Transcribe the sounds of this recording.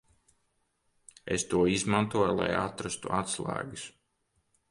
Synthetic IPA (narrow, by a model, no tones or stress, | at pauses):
ḛst̪uɔizmant̪uɔjlˠa̰jat̪ɾast̪ṵʔat̪slˠæ̰ːɡɨs